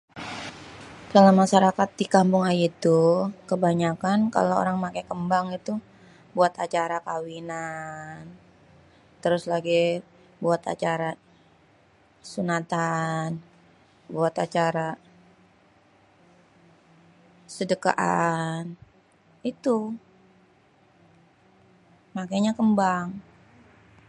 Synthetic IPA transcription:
dalamaʃaɾakat̪̚dikampʊŋajit̪ukəbaɲakanka̰loo̰ɾaŋmakajkəmbaŋit̪u | buat̪at͡ʃaɾakawinan | t̪əɾʊslaɡi | buat̪a̰t͡ʃaɾa | sunat̪an | buat̪at͡ʃaɾa | sədəka̰ʔan | it̪u | makajɲakəmbaŋ

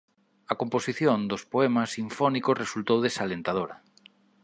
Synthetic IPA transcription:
ɐkomposiθjõnd̪ospoɛmɐsiɱfɔnikozresult̪owðesalent̪aðoɾɐ

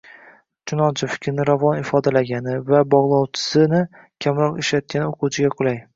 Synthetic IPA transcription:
t͡ʃʰʊnɒnt͡ʃʰɪfɪ̥kʲɾnɪɾavɒnɪfɒd̪alaɡʲanɪvabɒʁlˠɒwt͡ʃʰɪ̥sɪnɪ | kʲʰamɾɒqeʃlat̪̚kʲʰanɪoqʰʊwt͡ʃʰɪɡʲaqʰʊlˠaj

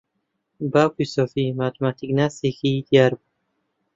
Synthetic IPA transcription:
bawkusɔfimat̪ʰmat̪ʰiknasikʰid̪iaɾbu

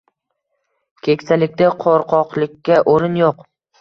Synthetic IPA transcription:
kʲʰekʲsalɪk̚ʲd̪aqʰoɾqʰɒqlˠɪkʲːaʔoɾɪnjoq

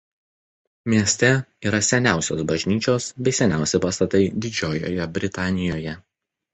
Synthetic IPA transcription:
mʲiɛsʲt̪ʲɛiːɾɐsʲɛnʲæˑʊsʲoːsbɐʒʲnʲiːt͡ʃʲoːsbʲɛɪsʲɛnʲæˑʊsʲɛɪpɐst̪ɐt̪ɐɪd̪ʲɪd͡ʒʲoːjo̰ːjɛbʲɾʲɪt̪ɑːnʲɪjoːjɛ

